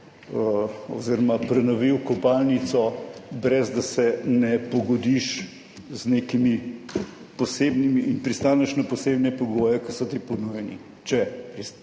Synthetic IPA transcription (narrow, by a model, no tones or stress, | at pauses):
o̰ziɾɔmapɾɛnɔʋiwkɔpalnit̪sɔbɾɛzd̪asɛnɛpɔɡɔd̪iʃ | znekimi | poseːbnimiʔːnpɾist̪aːnɛʃnɐposeːbnɛpoɡoːjɛkɐsɔt̪iponujɛni | t͡ʃɛpɾis